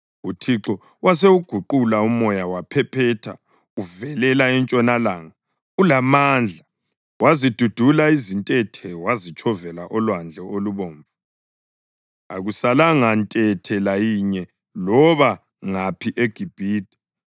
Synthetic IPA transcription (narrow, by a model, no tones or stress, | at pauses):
utʰiǁɔ | was̬euɡ̥ʱuǃulaumɔjawapʰɛpʰɛtʰa̰ | uvɛlɛlaɛnt͡ʃʼɔnalaːŋa | ulamaːnd͡ɮʱa | wazid̥ʱud̥ʱulaizintʼɛtʰɛwazit͡ʃʰɔvɛlaʔɔlwand͡ɮʱɛoluβoːɱvu | a̰ɣusalaŋantʼɛtʰɛlajiɲɛ | lɔβa | ŋapʰiʔeɡ̥ʱib̥ʱiːd̥ʱʼi̥